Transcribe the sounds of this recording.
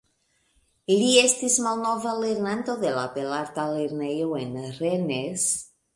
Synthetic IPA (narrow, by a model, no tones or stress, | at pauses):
liest̪izmalnovaleɾnant̪oðelapelaɾt̪aleɾnejoenrenes